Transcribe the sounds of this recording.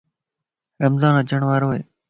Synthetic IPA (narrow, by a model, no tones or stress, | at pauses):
ɾəmzãːnət͡ʃəɳʋaːɾoːḛː